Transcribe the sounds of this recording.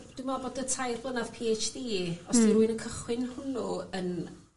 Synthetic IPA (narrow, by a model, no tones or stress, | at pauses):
d̥umaboːdətʰajblˠənav̥pʰiet͡ʃdiːɔsdiɾuɨnənkʰəχwɪnhʊnuən